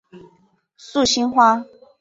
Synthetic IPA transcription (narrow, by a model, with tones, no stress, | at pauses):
su˥˨˩ɕi˥nxwa˥